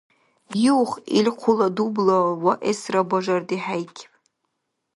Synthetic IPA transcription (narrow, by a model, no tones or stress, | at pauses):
juwχḭlʲqʷʰʊladublawaʔesrabaʐardiħajkʲʰʼpʼ